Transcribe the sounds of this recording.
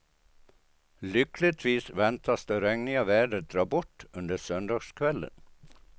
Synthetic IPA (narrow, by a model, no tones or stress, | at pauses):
lʏklɪt̪ʰʋiːsvɛnt̪ʰasd̪əɾɛŋnɪɑʋæːɖəd̪ɾɑːbɔʈːɵnd̪əsœnd̪ɑːɡskʰʋɛlːə̰n